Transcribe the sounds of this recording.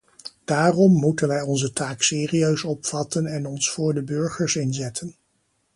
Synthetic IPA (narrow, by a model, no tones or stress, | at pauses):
d̥aːrɔmːutənʋɛjɔnzətaːksɪːriøɥsɔpfɑtənɛnɔnsfʊːɹdəbøɹχəɹsɪnzɛtʰən